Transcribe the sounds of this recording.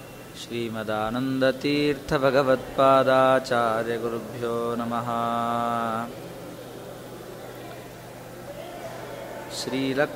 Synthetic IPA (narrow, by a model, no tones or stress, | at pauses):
ʃɾiːmɐd̪aːnɐnd̪ɐt̪iːɾt̪ʰɐbʱɐɡɐʋɐt̪̚paːd̪aːt͡ʃaːɾjɐɡuɾubʱjoːnɐmɐɦɐ | ʃɾiːlɐ